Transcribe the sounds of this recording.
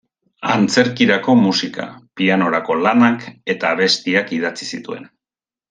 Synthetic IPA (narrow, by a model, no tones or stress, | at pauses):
a̰nt͡se̞ɾkiɾako̞musika̰piano̞ɾako̞lanake̞t̪aːβ̞e̞st̪iakið̞at͡sisit̪ue̞̰n